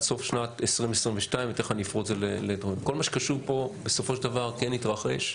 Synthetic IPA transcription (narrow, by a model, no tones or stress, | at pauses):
so̞fʃnat̪esʁimvesʁimveʃtaĩmvet̪eχanifʁozeleledʁoimko̞lmaʃe̥kaʃuʁpo̞beso̞foʃeld̪avaʁkenitʁaχeʃ